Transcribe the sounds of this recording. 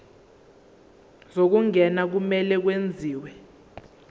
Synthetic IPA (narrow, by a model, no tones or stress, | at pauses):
zok̬uŋɛnak̬umɛlɛk̬wend͡zʱiːwɛ